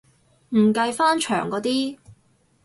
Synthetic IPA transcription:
m̩˨˩kɐ˧jfaː˥nt͡ʃʰœ̰ː˨˩ŋkɔː˨˧t̪iː˥

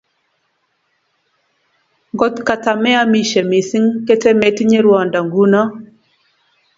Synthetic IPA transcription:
ŋɡɔ˦t̪ka˨ta˨mɛ˦a˦mi˨ʃe˨mi˨si˦ŋke˦te˦me˦ti˦ɲe˦ɾwa˨nda˨ŋɡu˦na˦

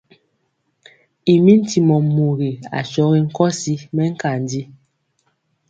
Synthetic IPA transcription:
i˨mi˦n̩˦ti˨mɔ˨mu˨ɣe˨a̰˨ʃɔ˨˦ɣe˦ŋ̩˦kɔ˦si˦mɛ˦ŋ̩˦ka˨n˨di˦

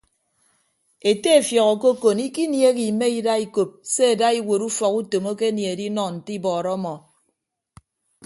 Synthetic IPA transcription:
e˨te˦e˨fjɔ˨ɣɔ˨ko˦ko˨ni˦ki˦nje˦ki˨me˦i˦da˦i˦ko˨p̚se˦e˨da˦i˦wo˨ɾu˦fɔ˨ku˦to˨mo˦ke˦nje˨e˨di˦nɔ˨n̩˨ti˦bɔː˨ɾɔ˦mɔ˨

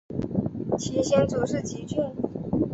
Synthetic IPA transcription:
t͡ɕʰi˨˩ɕjɛ˥nt͡su˨˧˥ʂɻ̩˥˩t͡ɕʰi˧˥t͡ɕy˥˩n

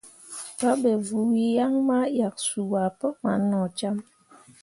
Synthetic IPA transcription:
pa˦be˨vu˨wi˦ja˦ŋma˦ja˨k̚su˨wa˨pə˦ma˨˦nɔ˨t͡ʃa˦m

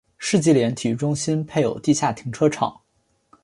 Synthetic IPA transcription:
ʂɻ̩˥˧t͡ɕi˥˩ljɛ˧˥nt̪ʰi˨˩ʈ͡ʂʊ˥ŋɕi˥npʰe˥˩ɪjo˨˩ʊt̪i˥˧ɕja˥˩t̪ʰi˧˥ŋʈ͡ʂʰɤ˥ʈ͡ʂʰɑ̰˨˩˦ŋ

